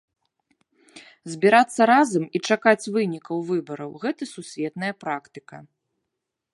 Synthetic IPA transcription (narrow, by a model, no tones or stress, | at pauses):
zʲbʲiɾat̪sːɐɾazɐmit͡ʂakat͡sʲvɨnʲikɐwvɨbɐɾɐ̰wɣɛt̪ɐsusʲvʲɛt̪nɐjɐpɾakt̪ɨ̥kɐ̰